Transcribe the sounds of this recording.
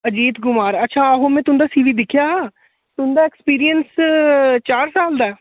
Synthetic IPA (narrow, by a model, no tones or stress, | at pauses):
əd͡ʒiːt̪ɡʊmaːɾətːʃʰaːəɦõːmɛ̃ːt̪ʊnd̪aːsiːʋiːd̪ɪkʰjaːɦː | t̪ʊnd̪aːekspiːɾiəns | t͡ʃaːɾsaːld̪aː